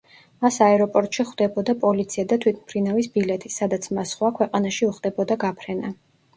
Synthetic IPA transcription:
masaɛɾɔpʼɔɾt̪ʼʃiχd̪ɛbɔd̪apʼɔlit̪sʰiad̪at̪ʰwit̪ʰmpʰɾinavisbilɛt̪ʰʼisad̪at̪sʰmasːχwakʰwɛqʼanaʃiuχd̪ɛbɔd̪aɡapʰɾɛna

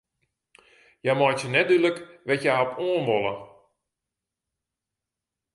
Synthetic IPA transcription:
jajmɔjtjənɛdyləkʋɛtjajɔpʰoənʋɔlˠə̰

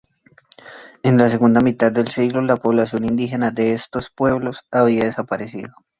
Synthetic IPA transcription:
e̞nlas̬e̞ɣund̪amit̪ad̪̚d̪e̞lsiɣlolapo̞βlasjo̞nind̪ixe̞nad̪e̞est̪o̞spwe̞βlo̞saβ̞iaðe̞sapaɾe̞sḭðo

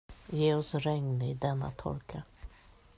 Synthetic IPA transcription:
jeːɔsɾɛŋnɪd̪ɛnːa̰t̪ʰɔ̰ɾkʰa

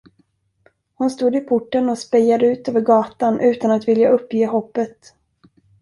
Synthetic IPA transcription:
hʊnst̪uːd̪ɪpʰʊʈːənɔspɛjad̪əʉ̟ːt̪øːvəɾɡɑːt̪anʔʉ̟ːt̪anat̪vɪljaɵpːjeːɦɔpːət̪

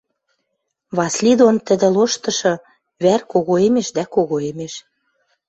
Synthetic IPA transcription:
βɑslʲid̪ont̪ə̆d̪ĕloʃt̪ɤ̆ʃɤ̆ | βærkoɣoemeʃd̪ækoɣoemeʃ

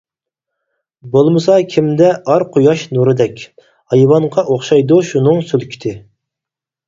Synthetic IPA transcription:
bolˠmɨsɑkʲʰimd̪ɛʔɑɾqʰojɑʃnuɾɨd̪ɛkʲ | hɑjwɑɴqɑʔoχʃɑjd̪uʃunɨŋsylkʲʰi̥t̪ʰɪ

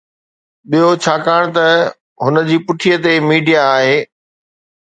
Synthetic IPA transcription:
ɓijot͡ɕʰaːkaːɽ̃t̪ɐ | ɦʊnəd͡ʑiːpʊʈʰijət̪emiːɖijaːɦeː

